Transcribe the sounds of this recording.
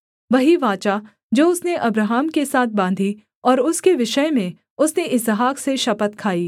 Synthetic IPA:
ʋɐɦiʋãːt͡ʃa | d͡ʒoːʊsneʔɐbɾaɦaːmkesaːt̪̚ʰbãːnd̪ʱi | ɔːɾʊskeʋɪʃəjmẽ | ʊsneʔɪsɦaːkseʃɐpət̪kʰaːiː

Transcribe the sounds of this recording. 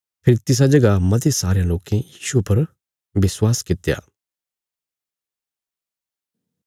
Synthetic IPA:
pʰɪɾit̪ɪs̬ad͡ʒɐɡamɐt̪̬esaːɾejãloːkẽjiːʃupɐɾ | ʋɪswaːskɪt̪ja̰ː

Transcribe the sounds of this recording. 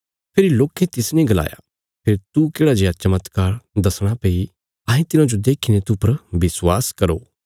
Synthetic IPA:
pʰɪɾiloːkʰet̪ɪsnĩɡɐla̰ːja̰ | pʰeɾt̪ukeːɽad͡ʒeat͡ʃɐmət̪kaːɾd̪ɐsɽ̃apeːi | ɐ̃ːẽt̪ɪnãd͡ʒod̪eːkʰinẽt̪upɐɾbɪswaːskɐɾoː

